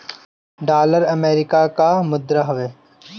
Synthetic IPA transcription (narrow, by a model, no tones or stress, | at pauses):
ɖaːləɾəmeːɾɪkaːkaːmʊd̪ɾaɦʊʋeː